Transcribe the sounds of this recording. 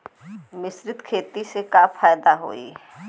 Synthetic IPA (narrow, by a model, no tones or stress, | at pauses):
mɪsɾɪt̪kʰeːt̪isekaːfʰaːjd̪aɦo̰ːḭ